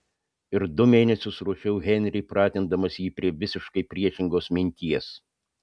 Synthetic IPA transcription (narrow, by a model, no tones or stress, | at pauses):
ɪɾd̪ʊmʲeːnʲɛsʲʊsɾuːʃʲɛʊɣʲɛnʲɾʲɪɪpɾɑːt̪ʲɪnd̪ɐmɐsjiːpʲɾʲiɛʋʲɪsʲɪʃkɐɪpʲɾʲiɛʃʲɪŋɡoːsmʲɪnʲt̪ʲiɛs